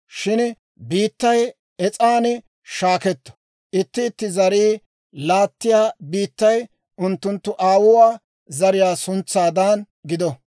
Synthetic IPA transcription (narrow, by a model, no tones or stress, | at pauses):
ʃɪn | biːt̪ːɐj | ɛt͡sʼaːnɛ | ʃaːkɛt̪ːɔ̥ | ʔɪt̪ːɪːt̪ːɪzɐɾiː | laːt̪ːɪjaːbiːt̪ːɐj | ʔʊnt̪ːʊnt̪ːʊʔaːwʊwaː | zɐɾɪjaːsʊnt͡sːaːd̪ɐn | ɡɪd̪ɔ